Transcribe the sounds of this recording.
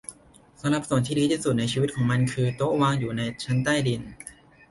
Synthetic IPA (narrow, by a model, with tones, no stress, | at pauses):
sa˨˦mɾa˨˩p̚su˨˩ənt̪ʰiː˥˩diː˧t̪ʰiː˥˩su˨˩t̪̚na˧jt͡ɕʰiː˧w̪̚kʰːŋma˧nkʰɯː˧t̪o˦˥waː˧ŋjuː˨˩na˧jt͡ɕʰa˦˥nt̪aː˥˩jdi˧n